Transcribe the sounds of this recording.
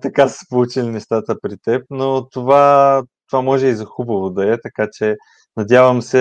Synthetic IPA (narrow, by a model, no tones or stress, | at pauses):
t̪ɐkaspout͡ʃilinɛʃt̪at̪əpɾit̪ɛp̚not̪ovat̪ovamɔʒɛizɐxubɐvod̪ɐɛt̪ɐkat͡ʃɛ | nɐd̪javəmsɛ